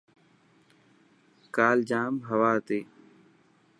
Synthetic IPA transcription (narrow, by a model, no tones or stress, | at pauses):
kaːld͡ʒaːmɦəʋaːt̪eː